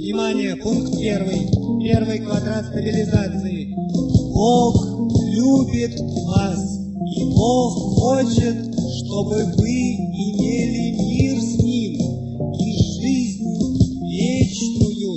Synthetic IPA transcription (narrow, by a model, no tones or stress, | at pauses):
vnʲɪmanʲɪjəpunkt̪̚pʲervɨjpʲervɨjkvɐd̪ɾat̪st̪əbʲɪlʲɪzat̪sɨjɪboxlʲubʲɪt̪ | vas | iboxːot͡ɕɪt̪ʂt̪obɨvɨɪmʲelʲɪmʲirsʲnʲim | iʐɨzʲnʲ | vʲet͡ɕnʊjʊ